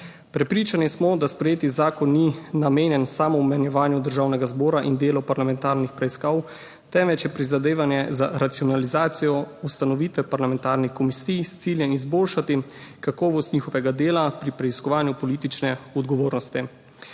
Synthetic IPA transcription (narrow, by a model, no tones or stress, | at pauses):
pɾɛpɾiːt͡ʃanismɔd̪aspɾɛjeːt̪izaːkɔnːinameːnjɛnsaːmɔwmɛnjɛʋaːnjud̪əɾʒawnɛɡazbɔːɾaʔind̪eːlɔpaɾlamɛ̃nt̪aːɾnixpɾɛiskaw | t̪ɛmʋɛt͡ʃjɛpɾizad̪eːʋanjɛza̰ɾat̪siɔnalizaːt̪sijɔust̪anɔʋiːt̪ʋɛpaɾlamɛnt̪aːɾnixkɔmisijst̪siːljɛizboːlʃat̪ikakɔːʋɔst̪niːxɔʋɛɡad̪eːlapɾipɾɛiskɔʋaːnjupɔliːt̪it͡ʃnɛɔd̪ɡɔʋoːɾnɔst̪i